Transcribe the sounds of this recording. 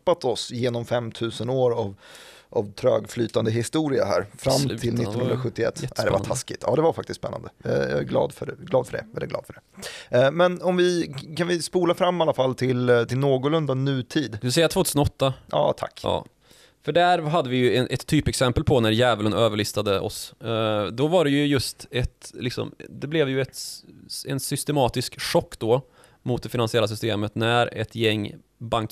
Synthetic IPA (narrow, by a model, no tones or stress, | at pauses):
pːat̪ɔsjeːnɔmfɛmt̪ʰʉ̟ːsənoːɾavʔavt̪ʰɾø̰ːɡflyːt̪and̪əɦɪst̪uːɾɪaɦæ̰ːɾfɾamt̪ʰɪlnɪt̪ɔnhɵnɾaɧɵt̪ːɪɛ̰t̪ːæ̰d̪ɛ̰va̰t̪ʰaskɪt̪ːjɑ̰ːd̪ɛvaɾfak̚t̪ɪst̪spɛnːa̰nd̪əj̰jɑ̰ɛɡlɑ̰ːd̪fœɖɛɡlɑːd̪fœɖɛ̰ɛlɛɡlɑ̰ːd̪fœɖɛ | mɛnɔmvɪkʰanvɪspuːlafɾamːalːafalːt̪ʰɪlt̪ɪlnoːɡʊlɵnd̪anyːt̪ʰiːd̪d̪sɛjːat̪ʰvoːt̪ʰʉsənɔt̪ːajɑ̰ːt̪ʰa̰kːjɑ̰ː | fœɖæɾɦad̪ːəvɪjɵɛnʔɛt̪ʰːyːpɛksɛmpəlpʰɔnæɾjɛːvələnøːvəɭɪst̪ad̪əʔɔ̰s | d̪ɔvaɖɛjɵjɵst̪ɛt̪lɪksɔ̰md̪ɛblɛvjɵɛt̪ | ɛ̰nsʏst̪ɛmɑːt̪ɪskʂɔkːd̪ɔ | mʊt̪̚d̪ɛfɪnansɪɛlːasʏst̪eːmət̪næɾɛ̰t̪jɛŋː | baŋk